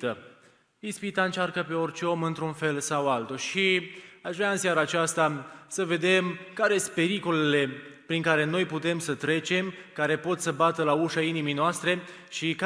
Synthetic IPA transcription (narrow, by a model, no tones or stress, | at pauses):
t̪ə | ispit̪aɨnt͡ʃarkəpe̞o̞rt͡ʃe̞o̞mɨnt̪ɾunfe̞lsawalt̪uʃiaʃvɾaɨnsjaɾaːt͡ʃast̪asəve̞d̪e̞mkaɾest̪̚pe̞ɾikolele̞pɾiŋkaɾe̞no̞jput̪e̞msət̪ɾe̞t͡ʃe̞mkaɾe̞po̞t̪səbat̪əlauʃainimijnoast̪ɾe̞ | ʃik